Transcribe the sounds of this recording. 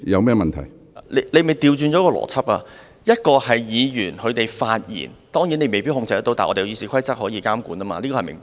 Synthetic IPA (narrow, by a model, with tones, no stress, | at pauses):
jɐ˨˧wmɛː˥mɐ˨nt̪ʰɐ̰˨˩j | le˨˧˥le˧jme˨jt̪iː˨˧wt͡ʃyː˧nt͡ʃɔː˨˥kɔː˧lɔ̰ː˨˩t͡sʰɐ˥p̚a̰ː˧ | jɐ˥t̚kɔː˧hɐ˨jjiː˨˧jyː˨˩nkʰɵ˨˧t̪e˨jfaː˧t̚jḭː˨˩nt̪ɔː˥ŋji˨˥ne˧jme˨jpi˥hʊ˧ŋt͡sɐ˧jɐ˥t̪o˧wt̪aː˨ʔɔː˧te˨ji˧si˨˥kʰɐ˥jt͡sɐ˥k̚hɔː˨˥jiː˧kaː˥mkṵː˨˥naː˥ma̰ː˧liː˥kɔː˧hjmɪ̰˨˩ŋ